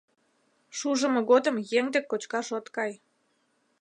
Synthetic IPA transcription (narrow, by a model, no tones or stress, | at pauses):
ʃuʒəmɤ̆ɣod̪ə̆mjeŋd̪ekːot͡ɕkɑʃot̪kɑj